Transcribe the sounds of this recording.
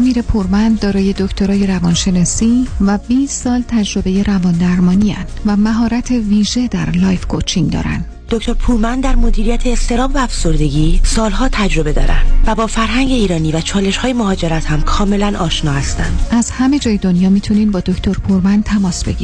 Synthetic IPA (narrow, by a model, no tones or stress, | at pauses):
miːɾe̞pʰuɾmænd̪d̪ɒːɾɒːje̞d̪o̞ct̪ʰo̞ɾɒːje̞ɾævɒnʃe̞nɒːsiːvæbiːsːɒːlt̪ʰæd͡ʒɾo̞be̞je̞ɾævɒːnd̪æɾmɒːniːæ̰nd̪̥væmæɦɒːɾæt̪ʰe̞viːʒe̞d̪æɾlɒjfkʰot͡ʃʰiŋd̪ɒ̰ːɾæ̰nd̪̥d̪̥oct̪o̞ɾpʰuːɾmænd̪d̪æɾmod̪iːɾijæt̪ʰeːst̪e̞ɾɒːbvæːfso̞ɾd̪e̞ɡiːsɒːlɦɒːt̪ʰæd͡ʒɾo̞bed̪ɒ̰ːɾæ̰nd̪væbɒːfæɾɦæŋɟe̞iːɾɒːniːvæt͡ʃʰɒːle̞ʃhɒːjemohɒːd͡ʒe̞ɾæt̪hæmkʰɒːme̞lænʔɒːʃnɒːhæst̪æ̰nd̪̥ʔæzhæme̞d͡ʒɒːjed̪onjɒːmiːt̪ʰuniːnbɒːd̪oct̪ʰo̞ɾpʰuɾmænt̪ʰæmɒːsbe̞̰ɡḭi